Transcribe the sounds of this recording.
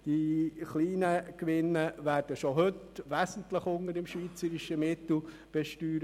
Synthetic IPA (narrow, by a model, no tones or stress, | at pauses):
d̥iχliːnəkʋɪnːəʋæːɾd̥əʃoɦɵt | ʋæsn̩tləχʊŋəɾɪmʃviːt͡səɾɪʃəmɪtl̩ | b̥ɛʃtyːɾ